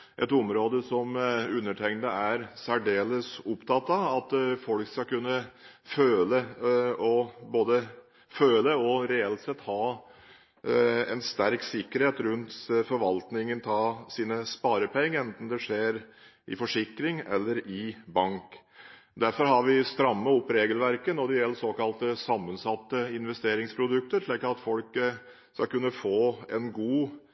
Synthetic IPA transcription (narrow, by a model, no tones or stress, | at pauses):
ʔɛt̪ʊmɾoːd̪əsɔmʉnːəʈʰɛŋnəæɾsæɖeːləsʊpt̪ʰɑt̪ːɑɑt̪fɔlkskɑkʉnːə | føːləɔboːd̪ə | føːləɔɾɛɛlt̪sɛt̪ːhɑː | ɛ̰nst̪æɾksɪkːəɾheːt̪ɾʉnt̪fɔɾʋɑlt̪nɪŋənt̪ʰɑːsiːnəspɑːɾəpʰɛŋːəɛnt̪n̩d̪ɛʂeːɾ | ʔɪ̰fɔʂɪkɾɪŋɛ̰lːəɾɪbɑŋk | d̪æɾfɔɾɦɑɾʋɪst̪ɾɑmːəɔpːɾeːɡəlʋæɾkənɔd̪ɛjɛlːəsoːkɑlt̪əsɑmːənsɑt̪ːəɪnʋɛst̪eːɾɪŋspʰɾʊd̪ʉk̚t̪əɾʂɭiːkɑt̪fɔlk | skɑkʉnːəfoːɛnɡuː